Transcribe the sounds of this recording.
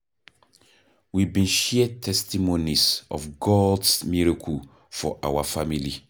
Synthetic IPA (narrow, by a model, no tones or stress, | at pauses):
wibĩnʃɛtʰɛstimonisɔfɡɔdsmiɹakʰ | fɔʔawafamili